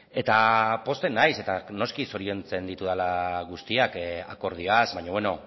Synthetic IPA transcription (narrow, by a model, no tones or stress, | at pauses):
e̞t̪apo̞st̪e̞nːajse̞t̪ano̞skisoɾio̞nt͡se̞nd̪it̪uðalaɣust̪iaka̰ko̞ɾð̞ioazβaɲoβeno̞